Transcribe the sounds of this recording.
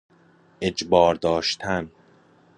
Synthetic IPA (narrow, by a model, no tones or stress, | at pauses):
ʔed͡ʒbɒːɾd̪ɒːʃt̪ʰæn